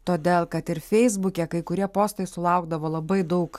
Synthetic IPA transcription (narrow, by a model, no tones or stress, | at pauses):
t̪oːd̪ʲeːlˠkɐt̪ɪɾfʲɛɪzbʊkʲɛkɐɪkʊɾʲiɛpoːst̪ɐɪsʊlˠɐʊɡd̪ɐʋoːlˠɐbɐɪd̪ɐʊk